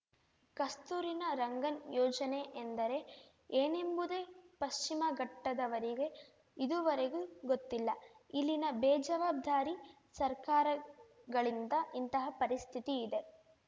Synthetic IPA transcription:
kɐst̪uːɾinɐɾɐŋɡɐnjɔːd͡ʒɐne̞ʔend̪ɐɾe̞ | eːne̞mbud̪e̞ːpɐʃt͡ʃimɐɡɐʈːɐd̪ɐʋɐɾiɡe̞ | id̪uʋɐɾeɡuɡot̪ːilːɐilːinɐbɛːd͡ʒɐʋaːb̚d̪ʱaːɾi | sɐɾkaːɾɐ | ɡɐɭind̪ɐʔint̪ɐɦɐpɐɾist̪ʰit̪iːd̪e̞

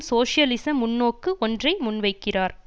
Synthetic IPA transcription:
soːʂɪjɐlɪsɐmʊnːoːkːɯʔɔndrɐɪmʊnʋɐɪkːɪraːɾ

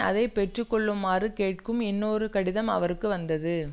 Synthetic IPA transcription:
ɐ̰ðɐɪpɛʈrɯkːɔɭːɯmːaːrɯkeːʈ̚kɯmɪnːoːɾɯkɐɽɪðɐmɐ̰ʋɐɾɯkːɯʋɐnd̪ɐðɯ

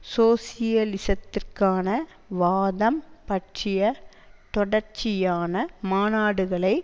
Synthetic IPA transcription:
soːsɪjɐlɪsɐt̪ːɪrkaːnɐ | ʋaːðɐmpɐʈt͡ʃɪjɐ | t̪ɔɽɐɾt͡ʃɪjaːnɐmaːnaːɽɯɣɐɭɐɪ

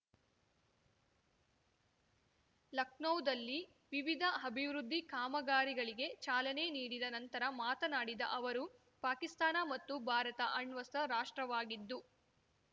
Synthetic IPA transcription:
lɐknɐwd̪ɐlːi | ʋiʋid̪ʱɐɐbʱiʋɾud̪ʱːikaːmɐɡaːɾiɡɐɭiɡe̞t͡ʃaːlɐneniːɽid̪ɐnɐnt̪ɐɾɐmaːt̪ɐnaːɽid̪ɐ̰ʔɐʋɐɾu | paːkist̪aːnɐmɐt̪ːubʱaːɾɐt̪ɐʔɐɳʋɐstɐɾaːʂʈɾɐʋaːɡid̪ːu

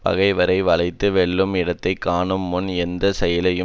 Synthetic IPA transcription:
pɐ̰ɣɐɪʋɐɾɐɪʋɐɭɐɪt̪ːɯʋɛɭːɯmɪɽɐt̪ːɐɪkːaːɳɯmːʊnɛnd̪ɐsɛjɐlɐjɯ

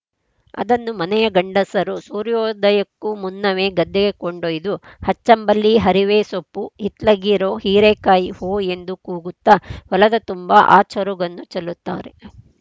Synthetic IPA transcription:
ɐ̰d̪ɐnːumɐnɛjɐɡɐɳɖɐsɐɾusuːɾjɔːd̪ɐjɐkːumunːɐʋe̞ːɡɐd̪ːɛɡe̞koɳɖojid̪uhɐt͡ʃːɐmbɐlːiɦɐɾiʋeːsopːuhit̪lɐɡiːɾoːhiːɾekaːjihoːe̞nd̪ukuːɡut̪ːɐʋɐlɐd̪ɐt̪umbɐʔa̰ːt͡ʃɐɾuɡɐnːut͡ʃɐlːut̪ːa̰ːɾe

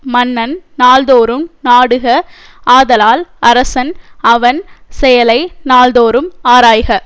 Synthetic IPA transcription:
mɐnːɐnnaːld̪oːɾɯmnaːɽɯɣɐ | aːðɐlaːlɐɾɐsɐnɐʋɐnsɛjɐlɐɪnaːld̪oːɾɯmaːɾaːjɣɐ

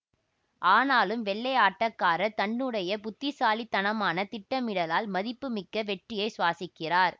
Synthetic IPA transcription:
ʔaːnaːlɯmʋɛɭːɐjaːʈːɐkːaːɾɐt̪ɐɳːɯɽɐjɐpʊt̪ːɪsaːlit̪ːɐnɐmaːnɐt̪ɪʈːɐmɪɽɐlaːlmɐðɪpːɯmɪkːɐʋɛʈrɪjɐɪsʊʋaːsɪkːɪraːɾ

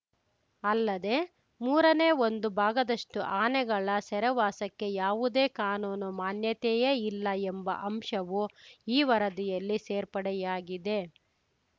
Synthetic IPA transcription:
ɐlːɐd̪e̞ | muːɾɐne̞ːo̞nd̪ubʱaːɡɐd̪ɐʂʈuʔaːnɛɡɐɭɐsɛɾɛʋaːsɐkːe̞jaːʋud̪e̞ːkaːnuːnumaːnjɐt̪ɛjɐilːɐembɐ̰ʔɐmʂɐʋuiːʋɐɾɐd̪ijɐlːiseːɾpɐɽɛjaːɡid̪e̞

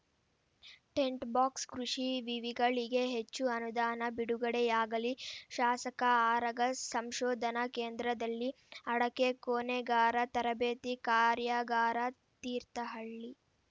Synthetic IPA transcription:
ʈe̞ɳʈbaːkskɾuʂiʋiʋiɡɐɭiɡe̞ɦet͡ʃːuɐnud̪aːnɐbiɽuɡɐɽejaːɡɐliʃaːsɐkɐaːɾɐɡɐsɐmʃɔːd̪ʱɐnɐkeːnd̪ɾɐd̪ɐlːi | ɐɽɐkekoːneɡaːɾɐt̪ɐɾɐbeːt̪ikaːɾjaɡaːɾɐ | t̪iːɾt̪ɐɦɐɭːi

